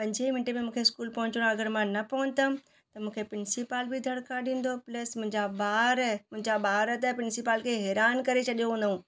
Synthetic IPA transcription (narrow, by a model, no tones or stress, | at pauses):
pɐ̃ɲd͡ʑemɪ̃ɳʈemẽmũːkʰeɪskuːlpɐ̃ɦʊ̃ɲt͡ɕɽ̃aɐɡəɾmãnɐpɐʊ̃nt̪əm̆ | t̪ɐmũːkʰepɾɪnsipaːlbɪd̪ʱɐɽkaɗĩːn̆d̪oplɐsmʊ̃ɪ̃ɲd͡ʑabaːɾmʊ̃ɦɪ̃ɲd͡ʑabaːɾət̪əpɾɪnsipaːlkʰeɦɛːɾaːnkɐɾet͡ɕɐɗijoɦũːn̆d̪ũː